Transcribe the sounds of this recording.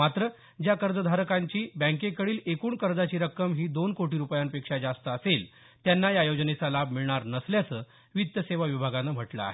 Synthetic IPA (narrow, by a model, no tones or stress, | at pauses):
mat̪ɾə | d͡ʑjakəɾd͡zəd̪ʱaɾəkaɲt͡ɕiːbə̃ŋkekəɽiːlekuːɳkəɾd͡zat͡ɕiːɾəkːəmɦiːd̪onkoʈiːɾupjanpekʂad͡zast̪əːsel | t̪janːajajod͡ʑnet͡salabʱmiɭɳaɾnəsljat͡səː | ʋit̪jəseʋaʋibʱaɡanəm̤əʈlə̰a̰ɦe